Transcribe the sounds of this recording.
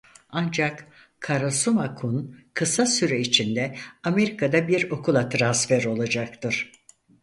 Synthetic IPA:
and͡ʒak | kʰːaɾasumakʰunkʰɯsasyɾɛit͡ʃʰind̪ɛame̞ɾikʰad̪abiɾo̞kʰulˠat̪ʰɾansfɛɾo̞lˠad͡ʒak̚t̪ʰɯɾ̥

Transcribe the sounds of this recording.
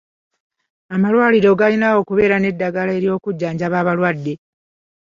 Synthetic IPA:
amalwaːliɾo̞ɡalinawo̞ːkuβe̞ːɾane̞dːaɡalae̞ɾio̞ːkuɟːaːɲɟaβaːβalwadːe̞

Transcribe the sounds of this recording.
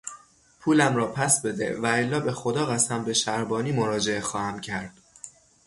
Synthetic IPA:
pʰuːlæmɾɒːpʰæsbe̞d̪ḛvæelːɒːbexo̞d̪ɒːɣæsæmbe̞ʃæɾbɒːniːmoɾɒːd͡ʒe̞exɒːhæmcʰæɾd̪̥

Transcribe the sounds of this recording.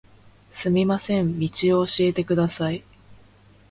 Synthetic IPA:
sɨmʲimasẽ̞mːʲit͡ɕio̞ːɕie̞t̪e̞kɯ̟d̪asai

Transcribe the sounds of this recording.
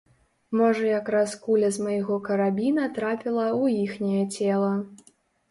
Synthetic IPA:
mɔʐɐjakɾaskulʲɐzmɐjɣɔkɐɾabʲinɐt̪ɾapʲilˠɐujixnʲɛjɛt͡sʲɛlˠɐ

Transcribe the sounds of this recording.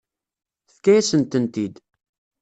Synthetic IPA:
θkæjæsənt̪ənt̪id̪

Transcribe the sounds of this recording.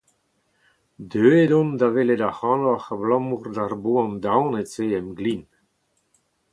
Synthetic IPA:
d̪øːedɔ̃nd̪aveled̪ahɑ̃noaxablɔ̃murd̪arboãnd̪awnet͡seɛmɡlin

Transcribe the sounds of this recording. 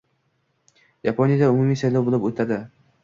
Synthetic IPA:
japʰonjad̪aʊmʊmiːsajlɒwbolˠɪpot̪ʰad̪ɪ

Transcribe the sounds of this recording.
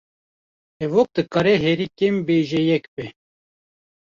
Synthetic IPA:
ɛvok̚d̪ɨkɑɾɛɦɛɾikembeʒɛjɛkbɛ

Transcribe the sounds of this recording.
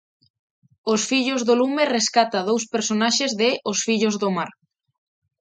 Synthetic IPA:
osfiʎozðolumereskat̪aðowspeɾsonaʃezðɪʔosfiʎozðomaɾ

